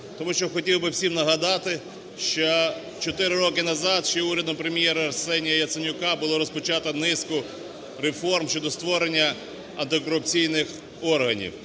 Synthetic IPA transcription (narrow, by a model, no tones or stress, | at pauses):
t̪ɔmuʃt͡ʃɔxɔtʲiwbɪwsʲimnɐɦɐd̪ɑt̪ɪ | ʃt͡ʃɔ | t͡ʃɔt̪ɪɾɪɾɔkɪnɐzɑd̪ʃt͡ʃɔɛuɾʲɐd̪ɔmpɾemʲjɛɾɐɐrsɛnʲijɐjɐt̪senʲʊkɑbʊlˠɔɾɔspɔt͡ʃɑt̪ɐnɪskʊ | ɾefɔrmʃʲt͡ʃɔd̪ɔst̪ʋɔɾenʲːɐ | ɐnt̪ɪkɔɾʊpt͡sʲijnɪx | ɔrɦɐnʲḭw